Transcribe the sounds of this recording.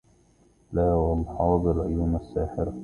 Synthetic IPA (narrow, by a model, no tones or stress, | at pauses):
laːwɑlħɑːd̪ˤlʕʊjuːmasːaːħɪɾ